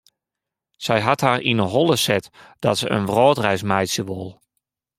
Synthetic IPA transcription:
sɛjɦathaːrinəɦɔlˠəsɛtd̥ɔ̰tsəə̰nʋrɔːtrɛjsmɛjtsjəʋolˠ

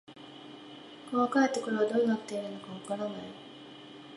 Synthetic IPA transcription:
koβakaet̪ːekoɾoβad̪oinakɯ̥t̪ːeiɾɯ̟nːokaβakaɾanai

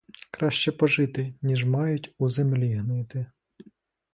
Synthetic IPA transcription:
kɾɑʃt͡ʃɛpɔʒɪt̪ɪnʲiʒmɑjʊtʲuzemlʲiɦnɪt̪ɪ

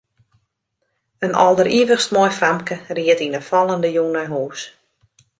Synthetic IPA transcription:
ənɔ̰lˠdəriəʋəxstmɔjframkəriətinəfɔlˠəndəjunɛjɦuːs

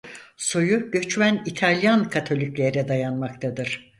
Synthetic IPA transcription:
so̞juɟ̥ø̞t͡ʃmænit̪ʰalʲjankʰat̪ʰo̞lʲiclʲeɾɛd̪ajanmakt̪ʰad̪ɯɾ̥

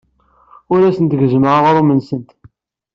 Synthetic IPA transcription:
ʊɾæsənt̪əɡəzməʕʁoɾˤumənsənt̪

